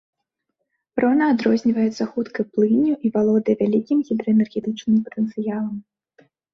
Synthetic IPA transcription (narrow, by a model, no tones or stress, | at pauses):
pɾɔnɐːd̪ɾɔzʲnʲivɐjɛt̪sɐxut̪kɐjplˠɨnʲuʔivalˠɔd̪ɐjvʲalʲikʲimɣʲid̪ɾɐɛnɛrɣʲɛt̪ɨt͡ʂnɨmpɐt̪ənt̪sɨjalˠɐm